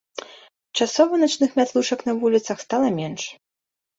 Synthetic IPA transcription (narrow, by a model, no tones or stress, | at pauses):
t͡ʂasɔvɐnat͡ʂnɨxmʲat̪lˠuʂɐknɐvulʲit̪sɐxst̪alˠɐmʲɛnʂ